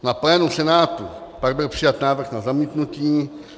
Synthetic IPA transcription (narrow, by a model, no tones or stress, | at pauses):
naplɛːnusɛnaːt̪u | paɡ̚bɪlpr̥ɪjat̪naːvɾr̩xnazamit̪nuciː